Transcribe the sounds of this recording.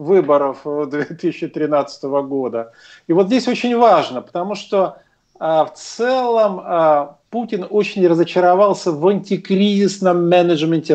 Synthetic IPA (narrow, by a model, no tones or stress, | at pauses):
vɨbəɾəfd̪vʲet̪ɨisʲɪɕːɪt̪ɾʲɪnat̪sə̥t̪əvəɡo̞d̪ə | ivot̪zʲdʲesʲo̞t͡ɕɪnʲvaʐnəpə̥t̪ɐmuʂt̪o̞ | əft̪sɛlˠəməputʲɪnot͡ɕɪnʲrəzət͡ɕɪɾavɑlˠsʲəvɐnʲtʲɪkɾʲizʲɪsnəmːʲɛnəʐmʲɪnʲtʲɪ